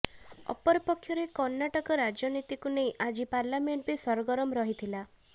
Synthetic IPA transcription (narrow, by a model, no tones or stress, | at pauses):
ɔ̰pɔɾipɔkʰjɔɾekɔɾnːaʈɔkɔɾad͡ʒjɔnit̪ikunej̃ʔad͡ʒipaɾlameɳʈbesɔɾɔɡɔɾɔmɔɾɔɦit̪ʰila